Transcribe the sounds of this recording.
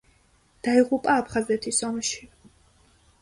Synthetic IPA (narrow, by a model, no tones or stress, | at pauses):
d̪̥aiʁupʼaːpʰχazɛt̪ʰisɔmʃi̥